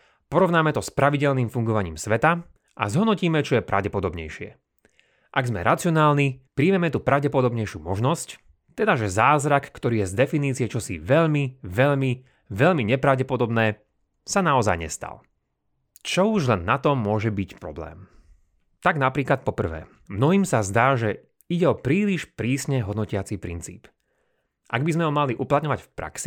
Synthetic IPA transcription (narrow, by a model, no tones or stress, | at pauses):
pɔɾɔʋnaːmɛt̪ɔspɾaʋiɟɛʎnimfuŋɡɔʋaɲḭːmsʋɛt̪a | ʔa̰zɦɔd̪nɔciːmɛt͡ʃɔjɛpɾa̰ʊɟɛpɔd̪ɔbɲɛ̰jʃɪɛ̰ | ʔaɡzmɛ̰ɾʔat͡siɔnaːlnipɾiːmɛmɛt̪uːpɾaʊɟɛpɔd̪ɔbɲɛjʃuːmɔʒnɔsc | t̪ɛd̪aʒɛzaːzɾakːt̪ɔɾiːjɛzd̪ɛfiniːt͡siɛt͡ʃɔsḭʋɛʎmiʋɛʎmi | ʋɛʎmiɲɛpɾaʊɟɛpɔd̪ɔbnɛː | sanaɔza̰jɲɛ̰st̪a̰l | t͡ʃɔuʒlɛnːat̪ɔmːʊɔʒɛbicpɾɔblɛ̰ːm | t̪aɡnapɾiːklat̪̚pɔpr̩ʋɛ̰ː | mnɔɦiːmsazd̪aːʒɛ | iɟɛɔpɾiːliʃpɾiːsɲɛɦɔd̪nɔcɪat͡sipɾint͡sḭːp | ʔa̰ɡbizmɛɦɔmaliʔuplat̪ɲɔʋacfpɾa̰ksi